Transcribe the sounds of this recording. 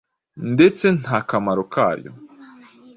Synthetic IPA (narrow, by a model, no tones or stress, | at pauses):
nde̞t͡se̞n̥haːkamaɾoka̰ːɾjo̰